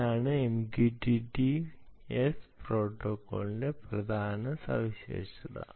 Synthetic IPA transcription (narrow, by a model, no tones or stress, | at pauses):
aːɳɨemɡiʈiʈiespro̞ːʈːokːo̰ːɭide̞prɐd̪ʱaːnɐsɐ̰ʋiɕḛːʂɐðɐ̰